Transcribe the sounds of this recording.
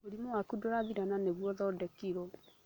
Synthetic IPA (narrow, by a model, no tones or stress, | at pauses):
oɾimɔwakudoɾaðiɾananeβwɔðɔdɛkiɾɔ